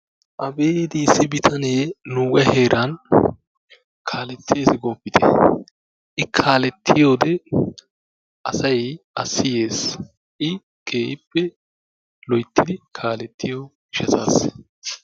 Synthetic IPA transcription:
ʔɐbeːd̪isːɪbɪt̪ʰɐneːnuːɡɐheːɾʔɐn | kʰaːlɛt̪ʰːeːsɪɡoːpːɪt̪ʰɛ̥̰ | ʔɪkʰaːlɛt̪ʰːɪjo̞ːd̪ɛ | ʔɐsɐjɐsːɪjeːs | ʔɪ | ɡ̥e̞ːɪpːɛ | lɔjt̪ːɪd̪ɪkʰaːlɛt̪ːɪjo | ʃɐsaːs

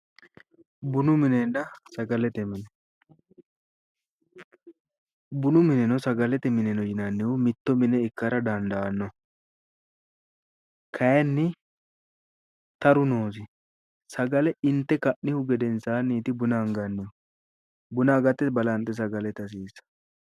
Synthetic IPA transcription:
bʊnʊmɪnɛnːɐsɐɡɐlɛt̪ɛmɪnɛ | bʊnʊmɪnɛnɔsɐɡɐlɛt̪ɛmɪnɛnɔjɪnɐnːɪʊmɪt̪ːɔmɪnɛɪkːɐɾɐd̪ɐnd̪ɐɐnːɔ | kʰɐjɛnːɪ | t̪ɐɾʊnoːs̬ɪ | sɐɡɐlɛɪnt̪ːɛkɐʔnɪhʊɡɛd̪ɛnsaːnːiːt̪ɪbʊnaŋɡɐnːɪ | bʊnaːɡɐt̪ːɛbɐlɐnt̪ʼːɛs̬ɐɡɐlɛt̪ɐs̬iːsɐ̥

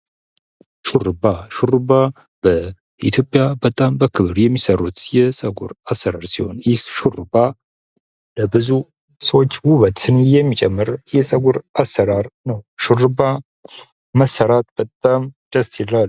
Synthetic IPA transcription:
ʃuɾɨbaʃuɾɨba | b̥ə | ḭt̪ʰjo̞pʼjabət̪ʼambəkʰɨβɨɾjɛmːisəɾut̪jɛsʼəɡṵɾasːəɾaɾsiho̞̰njɪhʃurɨba | ləbɨzu | səwot͡ʃːwuβət̪sɨnijɛmːit͡ʃʼɛmːɨɾjɛsʼəɡuɾʔasːəɾaɾnəwʃuɾɨba | məsːəɾat̪b̥ət̪ʼːamd̥̪əstilal

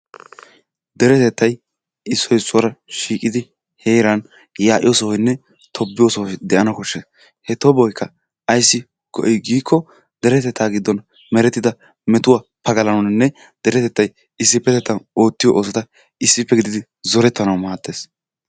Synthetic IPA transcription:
d̪ɛɾɛt̪ɛt̪ːɐj | ɪsːɔjsːʊwɐɾɐʃiːkʼɪd̪ɪ | heːɾɐn | jaːʔɪjoːsɔwɔjnːɛ | t̪ʰɔbːɪjoːsɔwɔjd̪ɛʔɐnɐkʊʃːes | hɛt̪ɔbɔjkːɐ | ɐjsːɪ | ɡ̥ɔ̰ʔɔjɡiːkːɔ | d̪ɛɾɛt̪ɛt̪ʰːaːɡɪd̪ːɔn | mɛɾɛt̪ːɪd̪ɐ | mɛt̪ʊwapɐɡɐlɐnɔnnːɛ | d̪̥ɛɾɛt̪ɛt̪ːɐj | ɪsːɪpːɛt̪ɛt̪ːɐnoːt̪ːɪjɔʔoːsɔt̪ɐ | ɪsːɪpːɛɡɪd̪ɪd̪ɪ | zɔɾɛt̪ːɐnɐwmaːt̪ːe̞ːs

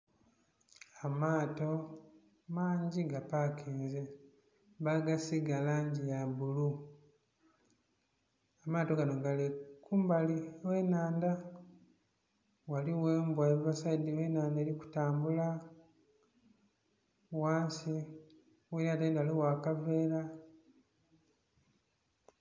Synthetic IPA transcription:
amaːto̞ | maːɲɟiɡapakʰiːnze | βaɡasiɡalaɲɟijabulu | amaːto̞ɡanoŋɡalikuːmbaliweːnaːnda | waliwe̞ːmbwaeβuβasadːiweːnaːndeːɾiku̥taːmbula | waːnsi | weɾatandwaliwakave̞ːɾa

